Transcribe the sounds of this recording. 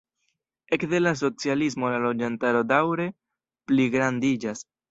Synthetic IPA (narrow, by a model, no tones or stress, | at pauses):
e̞kde̞las̬o̞t͡sialis̬mo̞lalo̞d͡ʒantaɾo̞dawɾe̞ | pliɡɾandid͡ʒas